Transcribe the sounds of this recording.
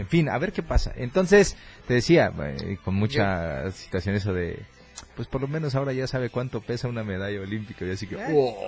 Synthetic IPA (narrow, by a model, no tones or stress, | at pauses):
eɱfina̰βe̞ɾke̞pasa̰ʔe̞̰nt̪o̞nse̞st̪e̞ðesiaḛko̞nmut͡ʃasi̥t̪wasjo̞ne̞s̬oðḛ | pwe̞spo̞ɾlomeno̞s̬ao̞ɾaʝasaβ̞e̞kwant̪o̞pe̞sauname̞ð̞aʝaolimpikaoʝasikeo